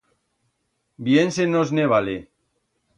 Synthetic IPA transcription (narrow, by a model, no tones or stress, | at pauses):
bjensenozneβale